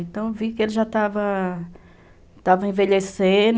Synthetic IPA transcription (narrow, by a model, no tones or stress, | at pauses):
ẽnt̪ɐ̃w̃vikɪelɪʒat̪avɐ | t̪avɐĩveʎesẽn